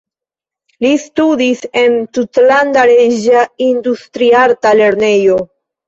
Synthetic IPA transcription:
listudise̞ntutlandaɾed͡ʒaindustɾiaɾtale̞ɾne̞jo̞

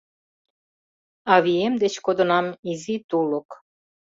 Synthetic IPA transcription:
ɑβiemd̪et͡ɕkod̪ə̆nɑmizit̪ulə̆k

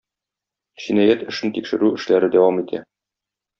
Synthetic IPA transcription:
ʑinæjæt̪ɘ̆ʃɘnt̪ikʃɘ̆ɾʉɘ̆ʃlæɾɘd̪æwɑmit̪ʰæ̰

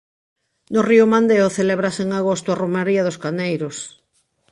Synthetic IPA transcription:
noriʊmãnd̪eoθeleβɾaseŋaɣ̞ost̪ʊaromaɾiaðoskanejɾos

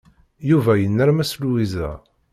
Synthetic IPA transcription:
juvæjənːæɾmæsluwizæ̰

